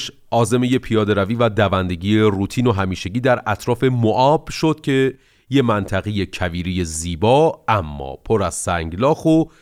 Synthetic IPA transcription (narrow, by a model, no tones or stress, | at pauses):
ʃ | ʔɒːze̞meje̞pʰijɒːd̪e̞ɾæviːvæd̪ævænd̪e̞ɟiːjeruːt̪ʰiːno̞ɦæmiːʃeɟiːd̪æɾæt̪ʰɾɒːfe̞moʔɒːb̥ʃo̞d̪̥cʰe̞ | je̞mænt̪ʰæɣejecʰæviːɾije̞ziːbɒːæmːɒ̰ːpʰo̞ɾæz̥sæŋɟlɒːxo